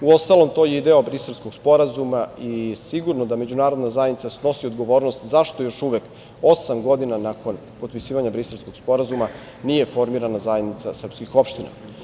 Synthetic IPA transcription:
uo̞st̪alˠo̞mt̪o̞jeid̪eobɾiselˠskoɡspo̞ɾazumaisiɡuɾnod̪ame̞d͡ʑunaːɾo̞d̪nazajed̪nit̪asno̞siod̪ɡo̞ʋo̞ːɾnost̪zaʃt̪o̞jo̞ʃuʋek | osamɡo̞d̪inanako̞n | po̞t̪̚pisiːʋaɲabɾiselsko̞ɡ̥spo̞ɾazuma | nije̞fo̞ɾmiɾanazaje̞d̪nit̪sa̰sr̩pskixo̞pʃt̪ina̰

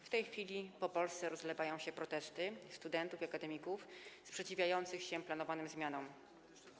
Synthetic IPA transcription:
ft̪ɛjxfʲilʲipɔpɔlst̪sɛɾɔzlɛvajɔ̃w̃ɕɛpɾɔt̪ɛst̪ɘst̪ud̪ɛnt̪ufiakad̪ɛmʲikufspʂɛt͡ɕivʲjajɔnt̪sɘxɕɛplanɔvanɘmzmʲjanɔm

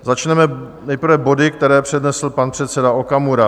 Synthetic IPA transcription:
zat͡ʃnɛmɛnɛjpɾ̩vɛbo̞dɪkt̪ɛɾɛːpr̝̥ɛdnɛsl̩panpr̝̥ɛt̪sɛdaokamuɾa

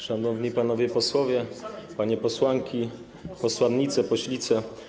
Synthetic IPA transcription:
ʂanɔvɲipanɔvʲjɛpɔswɔvʲjɛpaɲɛpɔswaŋkʲi | pɔswanɲit̪sɛpɔɕlʲit̪sɛ

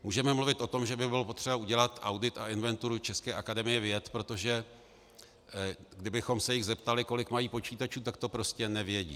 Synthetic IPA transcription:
muːʒɛmɛmluvɪt̪ʔo̞t̪o̞mʒɛbɪbɪlopo̞t̪r̝̥ɛbauɟɛlat̪ʔawdɪt̪aʔɪnvɛnt̪uɾut͡ʃɛskɛːʔakadɛmɪjɛvjɛt̪pɾo̞t̪o̞ʒɛ | ɡdɪbɪxo̞msɛjɪɣzɛpt̪alɪko̞lɪkmajiːpo̞t͡ʃiːt̪at͡ʃuːt̪ak̚t̪o̞pɾo̞scɛnɛvjɛɟḭː

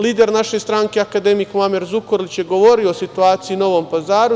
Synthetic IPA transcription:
liːd̪e̞ɾnaʃe̞st̪ɾaːŋkeakad̪e̞mikmameɾzukoɾlit͡ɕjeɡo̞ʋo̞ɾioosit̪uaːt̪sijino̞ʋo̞mpazaːɾu

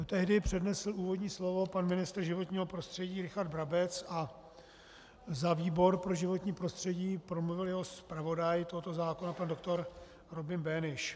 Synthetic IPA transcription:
t̪ɛɦdɪpr̝̥ɛdnɛsl̩uːvo̞dɲiːslo̞vo̞panmɪnɪst̪r̩ʒɪvo̞t̪ɲiːɦo̞pɾo̞st̪r̝̥ɛɟiːɾɪxaɾd̪bɾabɛt͡sa | zaviːbo̞ɾpɾo̞ʒɪvo̞t̪ɲiːpɾost̪r̝̥ɛɟiːpɾomluvɪljɛɦospɾavo̞dajt̪oɦot̪o̞zaːko̞napando̞k̚t̪o̞ɾ | ɾo̞bɪmbɛnɪʃ

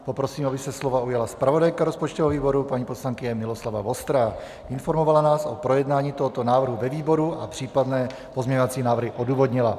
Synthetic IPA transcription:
po̞pɾo̞siːmabɪsɛslo̞vaujalaspɾavo̞dajkaɾo̞spot͡ʃt̪ovoviːbo̞ɾupaɲiːposlaŋkɪɲɛmɪlo̞slavavo̞st̪ɾa | ʔɪnfo̞ɾmo̞valanaːso̞pɾo̞jɛdnaːɲiːt̪oɦot̪o̞naːvr̩ɦuvɛviːbo̞ɾuʔapr̝̥iːpadnɛː | pozmɲɛɲovat͡siːnaːvɾ̩ɦɪʔo̞duːvo̞dɲɪla

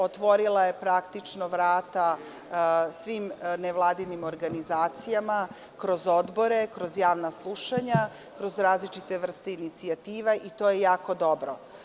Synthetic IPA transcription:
ot̪ʋo̞ɾilˠaje̞pɾakt̪it͡ʂnoʋɾaːt̪a | sʋimneʋlˠaːd̪inimo̞ɾɡanizaːt̪sijama | kɾo̞zo̞d̪bo̞ɾe̞kɾo̞zjaːʋnaslˠuʃaɲa | kɾo̞zɾaːzlit͡ʃit̪e̞ʋr̩st̪einit̪siat̪iːʋaʔit̪o̞jejaːko̞d̪o̞bɾo

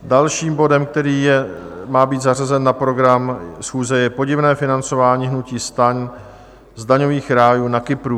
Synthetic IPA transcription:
dalʃiːmbo̞dɛmk̚t̪ɛɾiːjɛ | maːbiːt̪zar̝azɛnːapɾo̞ɡɾamsxuːzɛjɛpo̞ɟɪvnɛːfɪnant͡so̞vaːɲiːɦnuciːst̪aɲ | zdaɲo̞viːxɾaːjuːnakɪpɾuː

